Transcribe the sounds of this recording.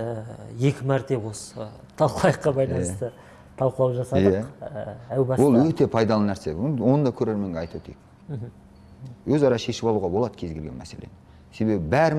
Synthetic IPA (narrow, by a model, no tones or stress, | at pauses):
je̞kʲɪmæɾt̪e̞wos | t̪ʰɑlˠqlˠɑjəqːɑbɑjlˠɑnj̪əst̪ə | t̪ʰɑlˠqəlˠɑwʒɑsɑdj̪əæqæwbɑswo̞lˠwɵt̪e̞pʰɑjd̪ɑlˠənæɾse̞wo̞nəd̪ɑkʲʰɵɾeɾme̞ŋɡʲeɑjt̪wɵt̪ʰek̚ | wɵzɑɾɑʃe̞ʃɪpɑlˠuʁɑbo̞lˠɑd̪ə̥kʲʰe̞zɡʲelɡʲe̞nmæ̰se̞lḛn | se̞be̞bɪbæɾɪ